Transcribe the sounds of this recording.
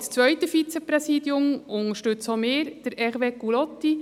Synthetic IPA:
st͡sʋœʏtəfit͡sɛprɛsiːdjʊmʊnəɾʃtʏt͡someːɾd̥əɾɛrʋeːkulɔt̪ːi

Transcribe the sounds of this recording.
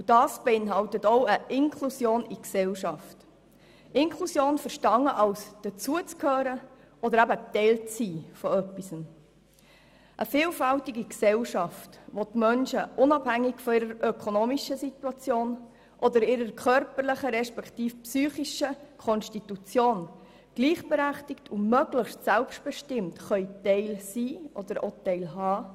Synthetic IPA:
ud̥ɑːsb̥ɛɪnɦɑltətɔʊəʔɪnkʰlusjoːniksɛlʃɑft | ɪnkʰlusjoːnfəɾʃtɑŋːəʔɑlsd̥ət͡suət͡skʰhøːɾə | ɔd̪əɾæbətɛɪlt͡siːfɔœpːisən | ʔəfɪːlfæltiɡiksɛlʃɑftʋotmœnʃəʔʊnɑb̥hæŋːɪɡfɔɪɾəɾʔœkʰonoːmiʃəsituɑt͡sjoːn | ʔɔd̪əɾɪɾəɾkʰœɾpəɾlɪχəɾɛʃpɛktiːfpsyːχiʃəkʰɔnʃtitut͡sjoːn | ɡ̥liːχb̥ɛɾæχtɪktʰumœɡlɪχʃtsælpʃtb̥ɛʃtɪmtχœʏtɛɪlsiːʔɔd̪̥əɾotɛɪlɦɑː

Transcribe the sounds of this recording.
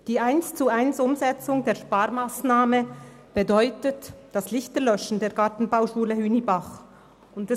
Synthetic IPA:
d̥iːaɪnst͡suaɪnsʊmzɛt͡sʊŋdeːɐʃpaːɾmaːsnaːmə | b̥ədɔʏtətd̥aslɪçtəlœʃn̩deːɐɡatn̩baʊʃuːləhyːnibaχ | ʊntɛ

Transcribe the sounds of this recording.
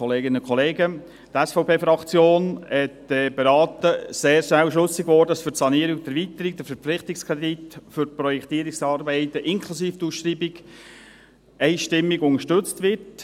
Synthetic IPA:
ɔleːɡɪnəkʰɔleːɡə | tɛsfɔʊpʰeːfɾɑkt͡sjoːnhɛtdɛbeɾɑːtəseːɾʃnæwʃlɵsiɡ̥ʋɔːɾdəɑsfʏɾsɑniəɾɪɡd̥̪əvit̪əɾiɡ̚d̥̪əɾfəɾp͡fflɪχtɪkskʰʁɛditfʏɾpɾɔjɛkt̪iːɾɪksɑːɾbɛɪt̪əʔɪŋkʰlusiːftuːsʃtɾiːbiɡ | ɛɪʃtɪmːiɡʊŋəʃtɵt͡stʋɪrt

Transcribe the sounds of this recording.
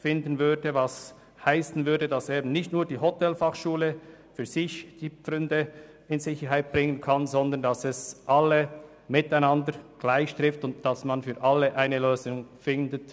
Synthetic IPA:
fɪndən̩vʏɐdəvɑs | haɪsn̩vʏɐdədɑseːbnɪçtnuːɐd̥iːɦɔtɛlfɑχʃuːlə | fyːɐzɪçd̥iːpʁʏndə | ɪnzɪçəɾɦaɪt̚b̥ʁɪŋənkʰɑnzɔndəndɑsɛsʔɑlːə | mɪtaɪnɑndəɾɡ̥laɪçʃtʁ̥ɪftʊntd̥ɑsmɑnfyːʔɑlːəʔaɪnəløːzʊŋfɪndət

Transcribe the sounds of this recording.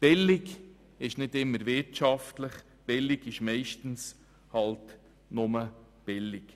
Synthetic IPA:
b̥ɪlɪɡ | ɪʃnɪdɪmːəɾvɪɾtʃɑftləχ | b̥ɪlɪɡɪʃmɛɪʃtn̩s | hɑlt | nʊmə | b̥ɪlɪk

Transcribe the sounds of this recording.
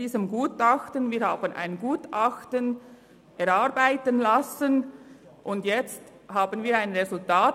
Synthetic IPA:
iːzəmɡuːtɑxtənviːɾhaːbənʔa̰ɪnɡuːtɑxtən | ʔɛɾaʁbaɪtənlasənʔʊndjɛt͡st | haːbənviːɾaɪnʁezʊltaː

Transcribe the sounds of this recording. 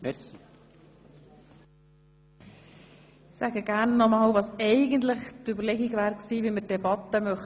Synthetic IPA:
sæɡəɡæːɾnːɔmɑːlvɑːsɛɪɡənt̪lɪχtybəɾlɛɡiɡvæːɾksiːviːməd̥ɛbɑt̪əmœχ

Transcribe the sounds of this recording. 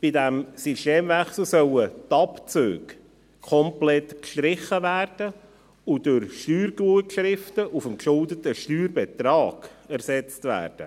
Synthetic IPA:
b̥idæmsyʃteːmvæχsl̩ˠsœlət̪ɑpt͡sø̰ːk | kʰɔmplɛtkʃtɾɪχːəvæːrd̥ə | udʊɾʃtyːrɡuəkʃɾɪftəʔufəmkʃʊldətəʃtyːɾbɛt̪ɾɑːɡ̥æɾsɛt͡stvæ̰ːɾd̥ə̰

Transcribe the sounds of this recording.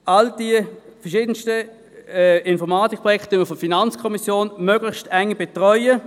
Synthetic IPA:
ʔald̥ifɛɐʃiːd̥ənstə | ɪnfɔʁmaːtik̚pʰʁɔjɛktønməfɔfinant͡skʰɔmisjoːnmøːɡ̥lɪçʃtɛŋːəb̥ɛtʁɔʏə

